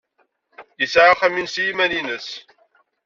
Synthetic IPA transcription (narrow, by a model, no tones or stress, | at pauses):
jəsʕaχæminsjimæninəs